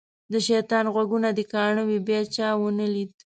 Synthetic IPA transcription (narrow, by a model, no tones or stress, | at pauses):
d̪əʃajt̪ɑnɣwaɡunad̪əkɑɳəwibjɑt͡ʃɑwənəlid̪